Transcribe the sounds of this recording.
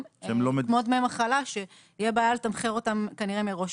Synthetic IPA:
mlomemod̪meemaχalaʃe̞ | ijebaːjalet̪amχeʁo̞t̪amkaniʁemeʁo̞ʃ

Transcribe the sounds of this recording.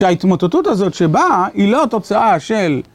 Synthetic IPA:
ait̪mot̪etutazo̞tʃe̞bailo̞to̞t͡saʔaʃe̞l

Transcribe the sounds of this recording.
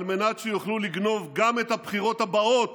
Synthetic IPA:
lme̞natʃejuχluliɡno̞vɡamet̪hapχiʁo̞t̪habao̞t

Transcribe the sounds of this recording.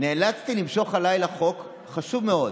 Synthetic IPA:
neːlat͡st̪ilimʃo̞χalajlaχo̞k | χaʃuvme̞o̞d

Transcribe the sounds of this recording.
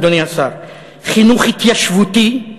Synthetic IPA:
d̪ɔniasaɾ | χinuχit̪jaʃvut̪i

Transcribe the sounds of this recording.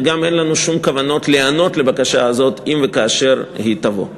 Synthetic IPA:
ɡame̞nlanuʃumkavano̞tleano̞tle̞bakaʃaazo̞t̪imvekaːʃe̞ʁhit̪avo̰

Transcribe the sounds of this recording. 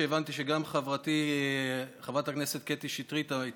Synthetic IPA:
eːvant̪iʃeɡamχavʁat̪i | χavʁathakne̞se̞t̪̚ket̪iʃit̪ʁit̪ai

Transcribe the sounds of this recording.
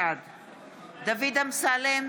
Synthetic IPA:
ad̪ | d̪avid̪amsalem

